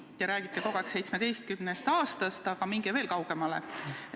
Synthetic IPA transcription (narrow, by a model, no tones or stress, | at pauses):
jɑɾæːɡ̥it̪ːˑeko̞ɡ̥ɑksejt̪smed̪̥e̞jst̪̚kymnest̪ɑːst̪ɑst̪ɑɡ̥ɑmiŋɡ̥eve̞ːlkɑwɡ̥emɑle